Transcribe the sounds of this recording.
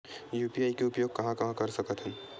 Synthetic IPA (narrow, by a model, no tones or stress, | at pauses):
juːpiaːikeʊpjoːɡ̚kɐɦãkɐɦãkɐɾsɐkət̪ɦɛ̃n